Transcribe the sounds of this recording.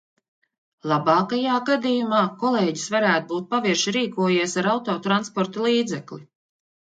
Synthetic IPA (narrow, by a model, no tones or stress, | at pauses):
lˠabɑːkajaːɡad̪ijumɑːkɔlˠeːɟisvaɾæːt̪ubuːt̪̚paviɾʃiɾiːkuɔjiɛsaɾawt̪ɔːt̪ɾanspɔɾt̪alˠiːd̪zɛklʲi